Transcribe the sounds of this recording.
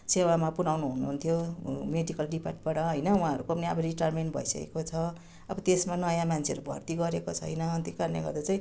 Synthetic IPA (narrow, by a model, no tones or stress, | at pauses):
sewamapunawnuɦunuɦunt̪ʰjomeɖikʌlɖipaʈbaɽʌɦʌjnʌwɦãɦʌɾukopʌniabʌɾiʈarmenʈbʱʌ̰isʌ̰kḛkot͡sʰʌ | ʌ̰bʌt̪esmanʌjãmanʰeʌɾubʱʌ̰rt̪iɡʌɾekot͡sʰʌɦʌ̰jnʌʌnt̪ikarnḛɡʌ̰rd̪at͡saĩ